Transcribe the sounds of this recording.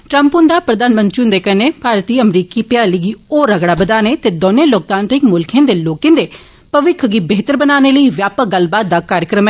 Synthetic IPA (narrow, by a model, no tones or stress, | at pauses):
ʈɾəmpʊnd̪aːpɾəd̪aːnmə̃nt̪ɾiʊ̃nd̪eːkəneːpaːɾt̪iːəmɾiːkiːpɪjaːliːɡiːoːɾəɡɽaːbəd̪aːneːt̪eːd̪oːnẽːloːk̚t̪ãːnt̪ɾɪkmʊlkʰẽːd̪eːloːkẽːd̪eː | pəʋɪkʰɡiːbeːt̪əɾbənaːneːləiːʋjaːpəɡəlbaːt̪̚d̪aːkaːɾjəkɾəmɛː